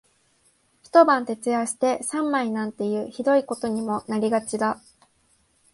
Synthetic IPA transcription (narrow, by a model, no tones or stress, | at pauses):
çi̥t̪o̞bãnt̪e̞t͡sɨaɕi̥t̪e̞sãmːainãnt̪e̞jɯ̟ːçid̪o̞iko̞t̪o̞ɲ̟imo̞naɾʲiɡat͡ɕid̪a